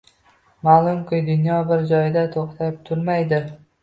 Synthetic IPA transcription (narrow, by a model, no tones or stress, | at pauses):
malˠʊmkʲʰɪjd̪ʊnjɒbɪɾd͡ʒɒjd̪at̪ʰoχt̪ʰap̚t̪ʰʊɾmajd̪ɪ